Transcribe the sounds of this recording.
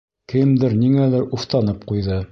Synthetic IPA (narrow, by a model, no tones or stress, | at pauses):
kɘmd̪ɘɾniŋælɘɾuft̪ɑnɤp̚qujðɤ